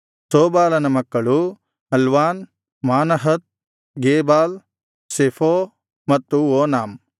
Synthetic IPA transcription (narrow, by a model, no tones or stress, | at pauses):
soːbaːlɐnɐmɐkːɐɭu | ɦɐlʋaːn | maːnɐɦɐt̪̚ | ɡeːbaːl | sefʰoː | mɐt̪ːuoːnaːm